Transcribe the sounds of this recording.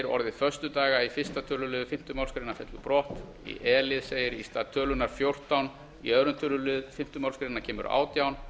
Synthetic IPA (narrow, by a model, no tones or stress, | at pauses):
ɾɔ̰ɾðɪfœɾ̥st̪ʏt̪aːɣaifɪr̥st̪at̪ʰœːlʏlʏːðfɪm̥t̪ʏmawlskɾenafɛt̪lʏpɾɔht̪ | ḭʔɛːlɪðseːjɪɾist̪at̪ʰœːlʏnaɾ̥fjowr̥t̪awn | ḭœðɾʏnt̪ʰœlʏlʏːðfɪm̥t̪ʏmawlskɾeɪnacʰɛːmʏ̰ɾa̰ːwt̪jawn